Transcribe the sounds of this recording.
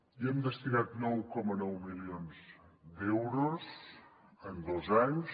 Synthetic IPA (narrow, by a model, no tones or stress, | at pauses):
iɛmd̪əst̪inat̪nɔwkɔmənɔwmilionzd̪ewɾoz | ənd̪ozaɲs